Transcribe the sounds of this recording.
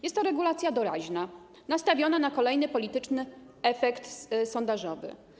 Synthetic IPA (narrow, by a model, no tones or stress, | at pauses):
jɛst̪ːɔɾɛɡulat̪sʲjad̪ɔɾa̰ʑna | nast̪avʲjɔnanakɔlɛjnɘpɔlʲit̪ɘt͡ʂnɘ | ɛfɛkt̪sɔnd̪aʐɔvɘ̰